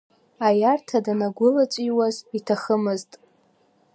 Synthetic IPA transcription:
ajartʰadanaɡʷʊlat͡ʃʷʼiwazitʰaχəmɨztʼ

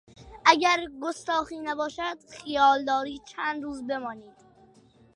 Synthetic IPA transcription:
ʔæɟæɾɡost̪ɒːxiːnæbɒːʃæd̪̥xijɒːld̪ɒːɾiːt͡ʃʰæːnd̪ɾuːzbe̞mɒːniːd̪̥

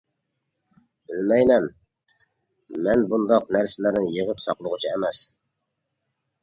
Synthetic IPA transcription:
bɪlmɛjmɛn | mɛnbund̪ɑqnæɾsɪlæɾɪŋjəʁəpsɑqlˠʊʁʊt͡ʃʰiɛmɛs

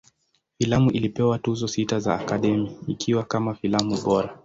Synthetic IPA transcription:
filamuʔilipɛwatuzɔsitazaːkaɗɛmiikʰiwakamafilamuɓɔɾa

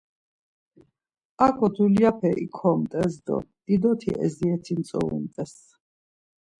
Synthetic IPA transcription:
akʰɔt̪ʰuliapʰɛʔḭkʰɔmt̪ʼɛzd̪ɔ̰d̪̥id̪ɔt̪ʰḭʔɛ̰ziɛt̪ʰint̪sʼɔ̰ṵnt̪ʼɛs

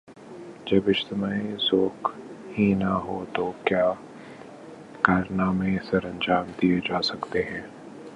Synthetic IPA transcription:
d͡ʒɐbɪʃt̪ɪmaːizoːkhinaɦot̪okjaː | kaːɾnamẽsɐɾɐ̃nd͡ʒaːmd̪ied͡ʒaːsɐkt̪eɦɛ̃ː

